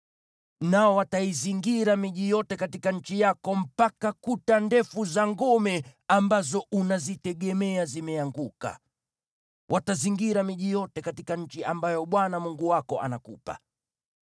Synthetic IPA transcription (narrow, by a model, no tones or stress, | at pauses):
naɔwataiziŋɡiɾamiʄijɔtɛkatikaɲ̩t͡ʃijakɔm̩pakakutandɛfuzaŋɡɔmɛambazɔʔunazitɛɠɛmɛazimɛaŋɡuka̰ | wʔataziŋɡiɾamiʄijɔtɛkatikaɲ̩t͡ʃiambajɔɓwanamuŋɡuwakɔʔa̰nakupa̰